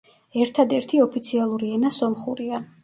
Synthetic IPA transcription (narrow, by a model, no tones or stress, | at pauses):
ɛɾt̪ʰad̪ɛɾt̪ʰiɔpʰit̪sʰialˠuɾiɛnasɔmχuɾia